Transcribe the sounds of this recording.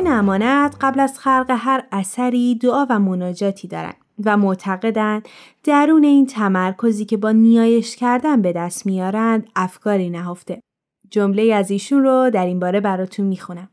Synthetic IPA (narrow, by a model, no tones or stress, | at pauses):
næmɒːnæd̪̥ɢæblæzxæɾɢe̞ɦæɾæsæɾiːd̪oɒːvæmo̞nɒːd͡ʒɒːt̪ʰiːd̪ɒ̰ːɾæ̰nd̪væmot̪ʰæɣe̞d̪æn | d̪̥æɾuːne̞iːnt̪ʰæmæɾkʰo̞ziːcʰe̞bɒːnijɒːje̞ʃcʰæɾd̪ænbe̞d̪æst̪mijɒːɾænd̪æfkʰɒːɾiːnæɦo̞ft̪e̞ | d͡ʒomle̞iːæziːʃunrod̪æɾinbɒːɾe̞bæɾɒːt̪ʰunmixunæm